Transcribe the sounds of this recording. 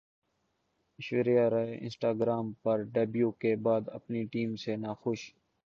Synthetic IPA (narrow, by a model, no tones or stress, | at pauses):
ɪʃʋeɾijaːɾɐeɪ̰̃nsʈaːɡɾaːmpəɾɖɐbjuːkebaːd̪ɐ̰pniʈiːmsenaːxʊʃ